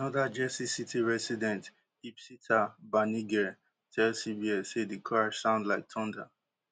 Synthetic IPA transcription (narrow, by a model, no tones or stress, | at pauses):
anɔðad͡ʒɛsisitʰiɹɛsidɛ̃nt | ipsitʰabaniɡɛɹ | tʰɛlsibiɛsedekʰasãʊ̃ndlaɪk̚tʰɔ̃nda